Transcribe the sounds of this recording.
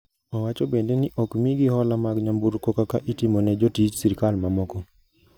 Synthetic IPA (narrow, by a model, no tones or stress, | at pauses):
ɔwat͡ʃɔbendenɪʔɔkmiɡiɦɔlamaɡɲambuɾkɔkakaʔitimɔnɛd͡ʒɔtit͡ʃsiɾkalmamɔkɔ